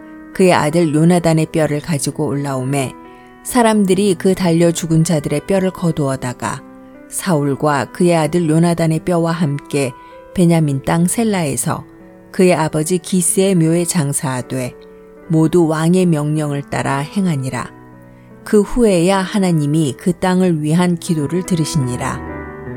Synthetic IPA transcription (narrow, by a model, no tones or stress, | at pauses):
kɯe̞ʔa̰dɯɾjonadane̞p͈jʌɾɯɭkad͡ʑiɡoːɭːaome̞ | sʰaɾamdɯɾikɯtaʎːʌt͡ɕuɡɯnd͡ʑadɯɾe̞p͈jʌɾɯɭkʌdoʌdaɡ̥a̰ | sʰauɭɡwakɯe̞adɯɭjonadane̞p͈jʌwaɦamk͈e̞ | pe̞ɲamint͈aŋsʰe̞ɭːae̞sʰʌ̰ | kɯje̞abʌd͡ʑikis͈ɯe̞mjoe̞t͡ɕaŋsʰadwe̞ | moduwaŋe̞mjʌŋɲʌŋɯɭt͈a̰ɾahe̞ŋɦaɲiɾa̰ | kɯɸue̞jahanaɲimikɯt͈aŋɯɭɥiɦankidoɾɯɭtɯɾɯɕʰiɲiɾa̰